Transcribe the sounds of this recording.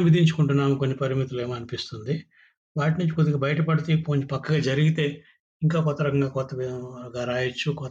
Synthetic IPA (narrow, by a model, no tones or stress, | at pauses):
ʋid̪ʱiɲt͡ʃu̥kuɳʈunːaːmukonːipɐɾimit̪ule̞ːmːɐnipist̪und̪i | ʋaːʈnuɲt͡ʃi̥kod̪iɡɐbɐjɐʈɐpɐɽit̪iːpoːɲt͡ʃipɐkːɐɡaːd͡ʒɐɾiɡit̪e̞ː | iŋkaːkɔt̪ːɐɾɐkɐŋɡaːkɔt̪ːɐɡaɾaːjɐt͡ʃːukɔt̪